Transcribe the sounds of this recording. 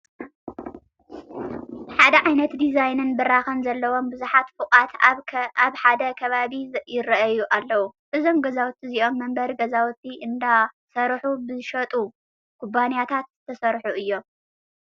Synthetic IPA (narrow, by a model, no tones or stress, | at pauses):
ħad̪ɐʕajnɐt̪d̪izajnɨnbɨɾaxɐnzɐlːɐwo̞mbɨzuħat̪fɨkʼat̪aβħad̪ɐkʰɐβaβijɪɾɐʔɐjuʔalːɐwuʔɨzo̞mɡɐzawt̪ʰːiziʔo̞mːɐmbɐɾɡɐzawt̪ʰːiʔɨnd̪a | sɐɾħubɨʃɐt̪ʼu | kʰubanijat̪ʰat̪zɨt̪ʰɐsɐɾħuʔɨjːo̞